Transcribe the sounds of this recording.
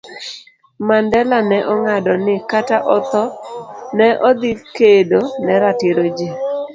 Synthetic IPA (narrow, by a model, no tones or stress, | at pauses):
mandɛlanɛʔɔŋadɔnɪkataʔɔt̪ɔnɛʔɔd̪ɪfkedonɛɾatɪɾod͡ʒe